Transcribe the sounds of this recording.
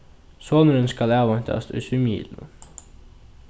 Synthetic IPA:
sɔːnʏɾɪnskalɛːvaɲ̥t̪a̰st̪ʏ̰sʏmḭːl̰

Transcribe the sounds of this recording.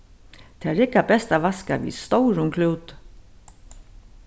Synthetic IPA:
t̪ʰɛːæɾɪkːabɛst̪aʋaskaʋḭst̪ɔwɾʊŋkʰluːt̪

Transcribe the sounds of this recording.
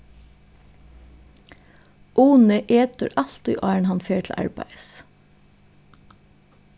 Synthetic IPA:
ʔuːnəʔeːt̪ə̰ɾʔɑlt̪y̰ːʔɑːəɳ̩hɑnfeːʈʰl̩ʔæ̰ɹbæ̰ɪəs

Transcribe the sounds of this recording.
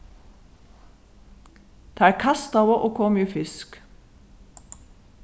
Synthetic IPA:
d̪̥eːæːkʰɑst̪ɑːʋəʔoːkʰɔmyːfɪsk

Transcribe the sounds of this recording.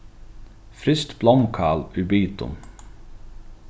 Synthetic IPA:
fɾɪst̪blɔmkʰɑːlyːbyːt̪ʊ̰m

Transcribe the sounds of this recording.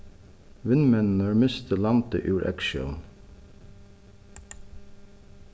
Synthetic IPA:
ʋɪnmɛnn̩əɹmɪst̪əlɑmt̪ə̰ʔʉːɹʔɛ̰kʃœ̰ln

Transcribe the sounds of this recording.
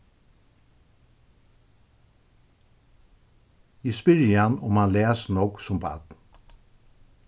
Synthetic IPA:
jɪspʏɾəhanʊmanleːsnɔksʊmbɑ̰d̪n

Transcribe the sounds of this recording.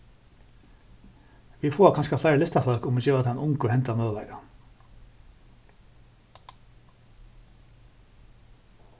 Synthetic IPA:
ʋiːfoːkʰɑnskɑflæɪɾlɪst̪ɑfœlkʊmɪçøːɑt̪ʰːɛnʊŋkohɛnt̪ɑnøːlæ̰ːɡɑ

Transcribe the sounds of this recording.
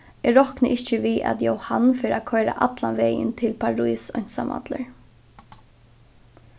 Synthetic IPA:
ɛɾɔknəʔɪht͡ʃəʋiːʔa̰t̪jowhanːfɪːɾakʰɔjɾa̰ʔat̪lanʋeːjə̰nt̪ʰɪlpʰaɹujsœn̥sama̰t̪lə̰ɹ

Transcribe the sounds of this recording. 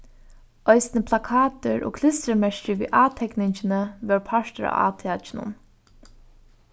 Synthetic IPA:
œɪsnəpʰlakʰɑːt̪əɹʔo̰ːkʰlɪst̪ɾəmɛʃt͡ʃəʋḭːʔaːt̪ʰɛknɪɲt͡ʃɪnəʋœːɹpʰaʃtəɾa̰a̰ːt̪ʰɪat͡ʃɪnʊ̰n

